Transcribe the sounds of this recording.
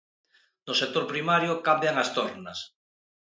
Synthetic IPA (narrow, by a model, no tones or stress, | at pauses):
nosek̚t̪oɾpɾimaɾjokambjaŋast̪oɾnas